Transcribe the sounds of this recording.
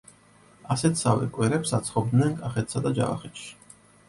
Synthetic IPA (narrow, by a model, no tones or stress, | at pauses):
asɛt̪ʰsavɛ̰kʼwɛɾɛpsat̪sʰχɔb̚d̪nɛnkʼaχɛt̪ʰsad̪ad͡ʒa̰va̰χɛt̪ʃi̥